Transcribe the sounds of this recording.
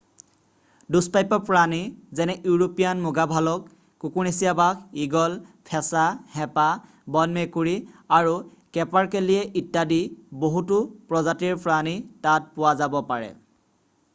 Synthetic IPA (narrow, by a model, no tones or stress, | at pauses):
duspajpɔpɹanizɛnɛʔjuɹopijanmʊɡabʱalɔkː | ukuɹnesijabakʰiɡɔlpʰɛsahɛpa | bɔnmekuɹiaɹu | kɛpaɹkeliɛʔitːadiboɦutʊpɹɔzatiɹpɹanitat̚pʊwazabɔpaɹɛ̰